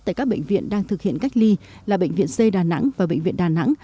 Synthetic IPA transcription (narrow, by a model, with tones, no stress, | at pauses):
t̪̚a̰ː˧˩jkaː˦˥k̚ɓḛ˧˨ŋ̟vḭ˧˨ənɗaː˧ŋt̪ʰɨ˨˩k̚hḭ˧˨ənka˦˥jk̟̚li˧laː˨˩ɓḛ˧˨ŋ̟vḭ˧˨ənse˧ɗaː˨˩na̰˧˥ŋvaː˨˩ɓḛ˧˨ŋ̟vḭ˧ənɗaː˨˩na̰˧˥ŋ